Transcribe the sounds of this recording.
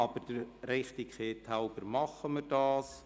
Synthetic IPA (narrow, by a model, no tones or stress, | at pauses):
ɑb̥əɾd̥əɾɾɛχt̪ɪkχeːtʰhaʊbəɾmɑχəmərdɑːs